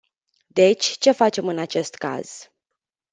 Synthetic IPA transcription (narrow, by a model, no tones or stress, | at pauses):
d̪e̞t͡ʃʲt͡ʃe̞fat͡ʃe̞mɨnat͡ʃe̞st̪ka̰z̥